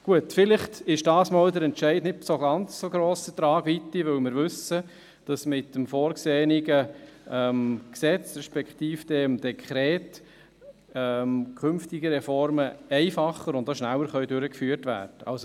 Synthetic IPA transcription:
ɡ̥uətfɪlɪχtɪʃd̥ɑːsmoːldəɾɛntʃɛɪdnɪt̚soɡɑnt͡ssoɡɾoːsət̪ɾɑːɡ̥vit̪ːiʋʏwmɪɾʋʏsə | d̥ɑsmɪtːəmfoːɾksɛːniɡəɛmksɛt͡sɾɛʃpɛktiːfd̥ɛmd̥ɛkʰχɾɛːt | ɛmkʰʏmnftiɡəɾɛfɔɾməɛɪfɑχəɾʊndoʃnælwəɾχœʏdʏɾəkfyːəɾtvæ̰ːɾd̥əɑ̰lso

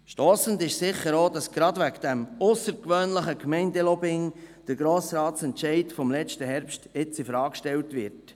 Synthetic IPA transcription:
ʃtoːsəndɪʃsɪχəɾoːdɑsɡ̥ɾɑdʋæɡd̥æmʊsəɾkʋøːnləχəkmɛɪndɛlɔbɪŋd̥əɾɡ̥ɾoːsɾɑːtt͡sɛntʃɛɪtfɔmlɛt͡ʃtəɦɛɾpstɪt͡sifɾɑːkʃtɛltvʋɪɾt

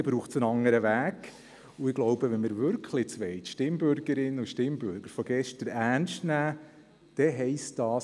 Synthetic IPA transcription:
ɪbɾuːχt͡sənɑŋːəɾəʋæːɡ | uɪɡ̥lɔwbəʋɛnməɾʋʏɾkχlɪt͡sʋɛɪt̪ʃtɪmbøɾɡəɾɪnːəuʃtɪmbʏɾɡ̥əɾfɔɡ̥ɛʃtəɾæːnʃtnæː | d̪̥ɛɦɛɪstd̥ɑːs

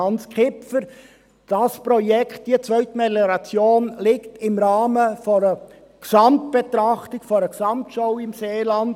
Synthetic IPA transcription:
ɑnt͡skʰɪpfəɾ | d̥ɑspɾɔjɛkχtd̥iət͡sʋœʏtmelɛɾɑt͡sjoːnlɪktɪmɾɑːməfɔɾə | ksɑmt̚b̥et̪ɾɑχtɪkfɔɾəksɑmtʃowɪmseːlɑnd

